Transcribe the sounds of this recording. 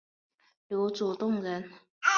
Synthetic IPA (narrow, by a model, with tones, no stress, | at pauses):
ljo˧˥ʊt͡su˨˩t̪ʊ˥˩ŋɻə˧˥n